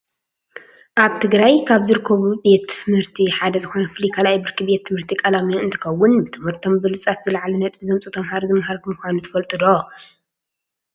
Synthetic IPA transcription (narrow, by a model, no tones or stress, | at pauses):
ʔaβt̪ʰɨɡɾajkʰaβzɨɾɨkʰːɐβubet̪ːɨmhɨɾt̪ʰiħad̪ɐzɨxo̞nɐfɨlikʰalajbɨɾkʰɨbe̞t̪ʰːɨmhɨɾt̪ʰikʼɐlamijoɨnt̪ʰɨ̥kɐwːʊnbɨt̪ʰɨmhɨɾt̪ʰo̞mbɨlɨt͡sʼat̪zɨlaʕalunɐt̪ʼbɨzɐmt͡sʼut̪ʰɐmhaɾzɨmhaɾmɨxʷanut̪ʰɐ̥fɐlt̪ʼɨd̪o